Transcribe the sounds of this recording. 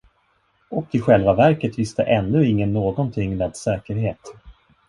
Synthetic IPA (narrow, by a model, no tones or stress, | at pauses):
ɔkɪɧɛlvavæɾkət̪vɪst̪əʔɛnːɵɪŋːənːoːɡɔnt̪ʰɪŋːlɛd̪sɛːkəɾheːt̪